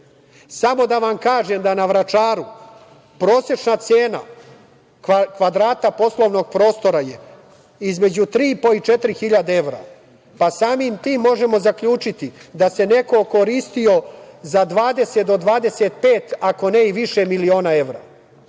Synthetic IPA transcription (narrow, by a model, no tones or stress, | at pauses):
samo̞d̪aʋamkaːʒemd̪anaʋɾat͡ʃaːɾu | pɾo̞ːse̞t͡ʃnat̪seːna̰ | kʋad̪ɾaːt̪apo̞slˠo̞ʋno̞ɡ̚pɾo̞ːst̪o̞ɾaje̞ | izme̞d͡ʑut̪ɾiːpo̞it͡ʃet̪ɾixiʎad̪ee̞ʋɾa̰ | pasaːmiːmt̪iːmːo̞ʒemo̞zakʎuːt͡ʃit̪id̪ase̞ne̞ko̞ko̞ɾist̪io̞zad̪ʋaːd̪e̞set̪d̪od̪ʋaːd̪e̞set̪peːt̪ako̞neiʋiʃemilio̞ːnae̞ʋɾa̰